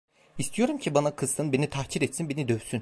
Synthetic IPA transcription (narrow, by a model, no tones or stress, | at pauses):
ist̪ʰijo̞ɾumcʰibanakʰɯst̪ʰɯnbe̞nit̪ʰahcʰiɾɛt̪sinbe̞nid̪øvsyn